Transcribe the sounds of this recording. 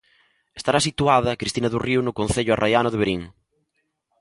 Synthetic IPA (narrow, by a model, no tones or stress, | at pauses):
est̪aɾasit̪uaðɐkɾist̪inɐðuriunʊkõnθeʎʊarajanʊðeβeɾiŋ